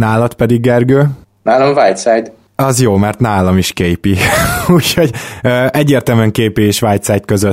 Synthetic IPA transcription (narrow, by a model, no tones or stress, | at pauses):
naːlɒt̪pɛd̪iɡːɛrɡøː | naːlomvaːjt̪sajt̪ | ɒzjoːmɛrt̪naːlɒmiʃkeːjpiuːcho̞ɟøɛɟːeːrt̪ɛlmɛŋkeːpeeːʃʋaːjt̪saːjt̪̚køzøt̪ː